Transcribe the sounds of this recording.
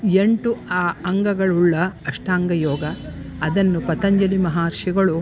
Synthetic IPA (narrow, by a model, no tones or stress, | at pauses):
e̞ɳʈuaːɐŋɡɐɡɐɭuɭːɐːʂʈaːŋɡɐjɔːɡɐ | ɐd̪ɐnːupɐt̪ɐɲd͡ʒɐlimɐɦaːɾʂiɡɐɭu